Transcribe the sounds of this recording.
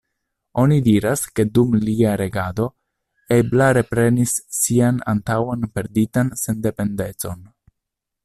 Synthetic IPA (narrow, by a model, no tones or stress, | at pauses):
o̞nidiɾaske̞dumliaɾe̞ɡado̞ | e̞blaɾe̞pɾe̞nisːiana̰ntawanpe̞ɾditanse̞nde̞pe̞nde̞t͡so̞n